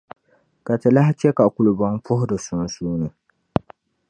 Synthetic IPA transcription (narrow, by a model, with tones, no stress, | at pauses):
ka˨tɨ˨la˦ha˦t͡ʃɛ˦ka˨kʊ˨lʊ˨bɔ˦ŋpʊ˦hʊ˦dɨ˨sʊ˨n˦suː˦nɨ˨